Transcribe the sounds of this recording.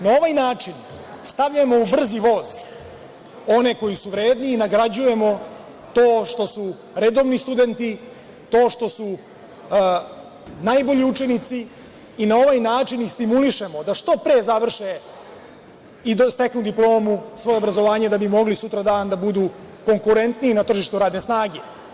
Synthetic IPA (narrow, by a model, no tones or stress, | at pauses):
nao̞ʋajnaːt͡ʂin | st̪aʋʎamo̞ubr̩ziʋo̞ːz | o̞ne̞ko̞jisuʋɾeːd̪niːnaɡɾad͡ʑuje̞mo̞ | t̪o̞ːʂt̪o̞su | ɾed̪o̞ʋnist̪ud̪e̞nt̪i | t̪o̞ːʂt̪o̞su | najbo̞ʎiut͡ʃenit̪siː | nao̞ʋaːjnaːt͡ʂinist̪imuliʃemo̞d̪aʂt̪o̞pɾezaʋr̩ʃe | id̪st̪e̞knud̪iplo̞ːmusʋo̞jeo̞bɾazoʋaːɲed̪abimo̞ɡlisut̪ɾad̪aːnd̪abud̪u | ko̞ŋkuɾe̞nt̪niinat̪r̩ʒiʃt̪uɾaːd̪ne̞snaːɡe̞